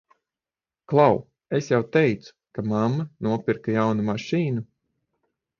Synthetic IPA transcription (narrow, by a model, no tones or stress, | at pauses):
klˠaw | esjawt̪ɛjt̪su̥kamamːɐnuɔpʲiɾkajawnumaʃiːnu